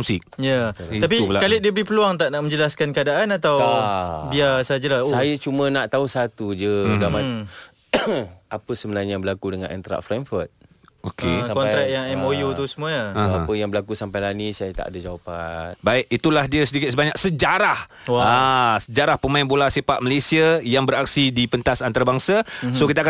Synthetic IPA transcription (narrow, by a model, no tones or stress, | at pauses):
musɪk̚jaapibəlakalidiəbəlihpəluaŋt̪aʔnaʔmə̃ɲd͡ʒəlaskankəadaʔanat̪aw | iasad͡ʒəlaosajat͡ʃumə̃naʔt̪ausat̪ud͡ʒədama | apəsəbənaɲjabəlakudəŋã̰nɛ̰nt̪ɾa̰ʔfɾɛmfət̪̚ | okesakɔnɾɛk̪̚jaŋɛmojut̪usəmuaaoapəjaŋbəlakusampajlanisajat̪a̰ʔadad͡ʒawapanbaiʔ̚it̪ulahdiəsədikɪt̪̚səbaɲak̚səd͡ʒaɾah | aasəd͡ʒaɾahpəmaɪnbolasepaʔ̚məlesiajaŋbəɾak̚sidipənt̪asant̪aɾabaŋsasokit̪aka